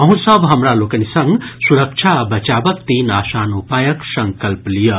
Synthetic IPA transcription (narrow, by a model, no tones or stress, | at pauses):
ɐɦũsəbʱɦɐmɾaloːkənisɐ̃ŋɡsuɾək̚t͡ʃʰabɐt͡ʃaːbəkt̪iːnaːsaːnupaːjəksɐ̃ŋkəlplijə